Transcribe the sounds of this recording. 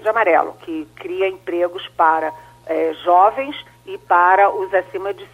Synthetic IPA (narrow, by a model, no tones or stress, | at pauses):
d͡ʒɪamaɾɛ̰lʊ̰kɪkɾiɐẽpɾeɡʊspaɾɐ | ɛʒɔvẽj̃s | ɪpaɾɐʔʊzasĩmɐd͡ʒɪs